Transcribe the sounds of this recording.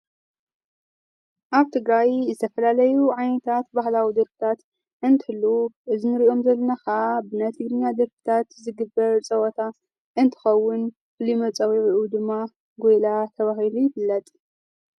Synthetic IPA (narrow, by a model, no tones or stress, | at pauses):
ʔaβt̪ʰɨɡɾajzɨt̪ʰɐfɐlalɐjuʕajnɐt̪ʰat̪bahlawid̪ɐɾfɨ̥t̪ʰat̪ | ʔɨnt̪ʰɨhɨlːuʔɨzɨnɨɾiʔo̞mzɐlːɐnaxaabɨnat̪ʰɨɡɾɨnːad̪ɐɾfɨ̥t̪ʰat̪zɨɡɨbːɐɾt͡sʼɐwɔt̪ʰa | ʔɨnt̪ʰɨ̥xɐwːʊn | fɨlimɐt͡sʼɐwiʕiʔud̪ɨmːa | ɡojlat̪ʰɐβahilujɪfɨlːɐt̪ʼ